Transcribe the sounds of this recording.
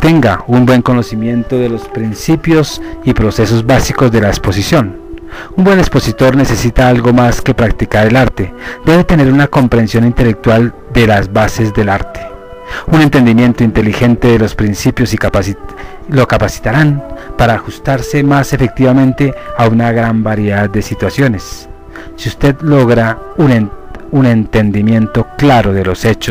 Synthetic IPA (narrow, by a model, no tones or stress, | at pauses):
t̪e̞ŋɡaumbwe̞ŋko̞no̞simje̞nt̪o̞ðe̞lo̞spɾinsipjo̞sipɾo̞se̞so̞zbasiko̞zðe̞laespo̞sisjo̞n | umbwe̞nekspo̞sit̪o̞ɾne̞se̞sit̪aalɡo̞maske̞pɾak̚t̪ikaɾe̞laɾt̪e̞d̪e̞βe̞t̪e̞ne̞ɾunako̞mpɾe̞nsjo̞nint̪e̞le̞k̚t̪wal | d̪e̞lazbase̞zd̪e̞laɾt̪e̥ | une̞nt̪e̞nd̪imje̞nt̪oint̪e̞lixe̞nt̪e̞ðe̞lo̞spɾinsipjo̞siks | lo̞kapasi̥t̪aɾanpaɾaːxust̪aɾse̞mase̞fe̞k̚t̪iβamẽ̞nt̪e̞aunaɣɾambaɾje̞ðað̚d̪e̞sit̪wasjo̞ne̞sː | iust̪e̞ðlo̞ɣɾa | unune̞nt̪e̞nd̪imje̞nt̪o̞klaɾo̞ðe̞lo̞se̞t͡ʃo